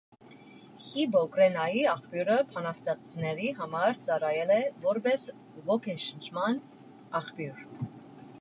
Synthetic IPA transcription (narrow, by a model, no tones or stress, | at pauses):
hibɔkɾɛnɑjiɑχpjuɾəpʰɑnɑst̪ɛʁt͡snɛɾiɦɑmɑɾt͡sɑɾɑjɛlɛvɔɾbɛs | vɔkʰɛnʃənt͡ʃʰmɑn | ɑχpjuɾ